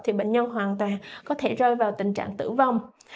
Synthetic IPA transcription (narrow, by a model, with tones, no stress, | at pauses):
t̪ʰi˨˩ɓə̰˧˨ŋ̟ɲə˧nɦwaː˨˩nt̪waː˨˩ŋkɔ˨˦t̪ʰe˧˩zəː˧jvaː˨˩wt̪ï˨˩ŋ̟t͡ɕa̰ː˧˨ŋt̪ɨ̰˧˩va˧wŋ͡m